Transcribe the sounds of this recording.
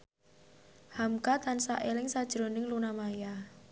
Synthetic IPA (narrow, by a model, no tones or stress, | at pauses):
hamkat̪ansa̰ʔelɪŋsad̥ʒ̥ɾonɪŋlunamaja